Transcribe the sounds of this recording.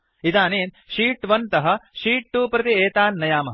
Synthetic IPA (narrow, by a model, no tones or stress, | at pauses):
it̪aːneːn | ʃiːʈʋɐnt̪ɐɦɐ̆ʃiːʈ̚ʈuːpɾɐt̪ieːt̪aːnːɐjaːmɐ̰